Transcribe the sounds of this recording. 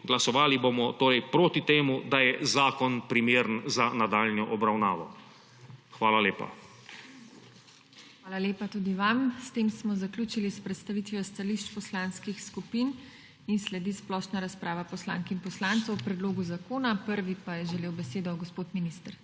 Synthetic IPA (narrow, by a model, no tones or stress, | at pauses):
ɡlasɔʋaːlibomɔt̪oːɾɛjpɾoːt̪it̪eːmud̪ajɛzaːkɔnpɾimeːɾənzanad̪aːlnjɔʔɔbɾawnaːʋɔ | xʋaːlaleːpa̰ | xʋaːlaleːpat̪ud̪iʋamst̪eːmsmɔzaklʲuːt͡ʃilispɾɛt̪st̪aʋit̪ʋjɔst̪aliʃt͡ʃpɔslaːnskixskupin | inslɛd̪isplɔːʃnaɾaspɾʔaːʋapɔslaŋkinpɔslaːnt̪sɔwpɾɛd̪loːɡuzakoːnapəɾʋipajɛʒɛleːwbɛseːd̪ɔɡɔspoːt̪minist̪ɾ